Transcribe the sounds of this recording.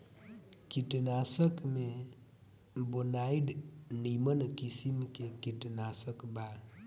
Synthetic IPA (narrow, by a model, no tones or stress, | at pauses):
kitnasəkme | bonaidnimənkisimkekitənasəkba